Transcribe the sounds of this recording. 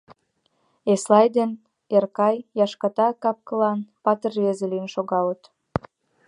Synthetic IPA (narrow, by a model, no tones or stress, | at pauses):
eslɑjd̪en | erkɑjjɑʃkɑt̪ɑkɑp̚kəlɑnpɑt̪ərezeliənʃoɣɑlət̪